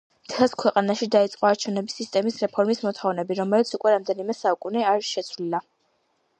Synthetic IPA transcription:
mt̪kʰɛskʰwɛqʼanaʃid̪ait̪sʼqʼɔaɾt͡ʃʰɛvnɛbisːist̪ʼɛmisɾɛpʰɔɾmismɔt̪ʰχɔvnɛbiɾɔmɛlit̪sʰukʼwɛɾamd̪ɛnimɛsaukʼuniaɾʃɛt̪sʰvlila

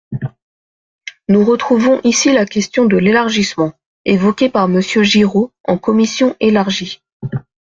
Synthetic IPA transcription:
nuʁət̪χuvɔ̃ʔisilakʲɛst̪jɔ̃d̪əlelaʁʒismɑ̃ | evɔkʲepaʁməsjøʒiʁoɑ̃kɔmisjɔ̃ʔelaʁʒi

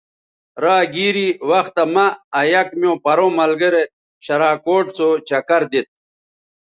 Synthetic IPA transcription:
ɾaːɡiːɾiwɐxt̪ɐmɐːjɐkmijõːpɐɾõmɐlɡɐɾe | ɕɐɾaːkoːʈsot͡ɕɐkɐɾd̪it̪̚

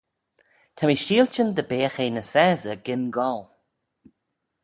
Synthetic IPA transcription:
t̪ʰamiʃiːlt͡ʃənd̪əbeːxenəsɛːzəɡɪnɡɔl

